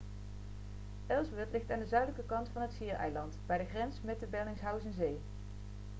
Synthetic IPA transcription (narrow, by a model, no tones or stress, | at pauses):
ʔɛlˠsbɪɹtlɪxtaːndəzœɥdələkəkɑntfɑnɦətsiːɹɛ̰jlɑntbɛjdəχrɛnsmɛtəbɛlˠɪŋsɦœwsɛnzej